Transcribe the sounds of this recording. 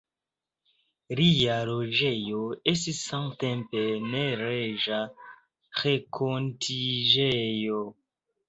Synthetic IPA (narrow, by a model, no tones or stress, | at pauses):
ɾijaɾoʒejoes̬tisːãŋtempeneɾeʒa | xekʰontʰiʒejo